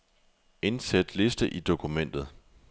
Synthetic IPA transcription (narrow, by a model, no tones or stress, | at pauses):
e̝nsed̥le̝sd̥əʔid̥o̝kʰumen̰d̥ð̞̩ˠ